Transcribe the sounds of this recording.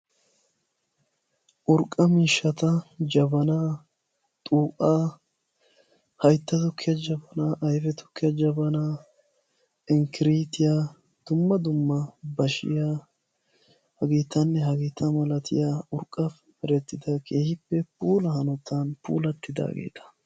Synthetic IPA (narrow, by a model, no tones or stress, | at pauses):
ʔʊɾkʼːɐmiːʃːɐt̪ɐd͡ʒɐbɐnaː | t̪ʼuːkʼːaː | hɐjt̪ːɐt̪ʊkʰːɪɐd͡ʒɐbɐnaːʔɐjfɛt̪ʊ̥kːɪɐd͡ʒɐbɐnaː | ɪŋkɪɾiːt̪ɪjaː | d̪̥ʊmːɐd̪ʊmːɐbɐʃɪ̰jaː | hɐɡiːt̪ːɐnːɛɦɐɡiːt̪ːɐmɐlɐt̪ʰɪ̰jaːʊɾkʼːɐf | ɛɾɛt̪ːɪd̪ɐkʰʼe̞ːhɪpːɛpuːlɐhɐnɔt̪ːɐnpṵːlɐt̪ːɪd̪a̰ːɡḛːt̪ɐ̥